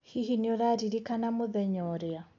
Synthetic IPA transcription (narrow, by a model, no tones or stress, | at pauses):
hiɦiniɔɾaɾiɾikanamuðɛɲɔɾɛa